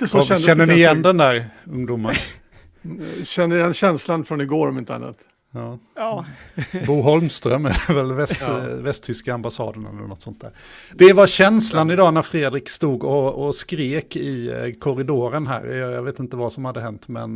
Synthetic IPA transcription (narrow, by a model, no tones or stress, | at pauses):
ɛnɛnːənɪjɛnd̪ɛnd̪æːɾɵŋːd̪umːan | ɕɛnːəɛnɕɛnslanfɾɔnɪɡoːɾɔmɪnt̪əa̰nːa̰t̪ | ɑː | buːɦɔlmst̪ɾœmːɛlɛvɛlvɛsvɛst̪ʰʏskaambasɑ̰ːd̪əɳɛ̰lːə̰nɔt̪sɔnt̪d̪æ̰ːɾ | d̪̥ɛvaɕɛnslanɪd̪ɑːnæɾfɾeːd̪ɾɪkst̪uːɡɔɔskɾeːkɪkʰɔɾɪd̪oːɾənɦæ̰ːɾjjɑveːt̪ɪnt̪əvasɔmhad̪ːəɦɛnt̪mɛ̰n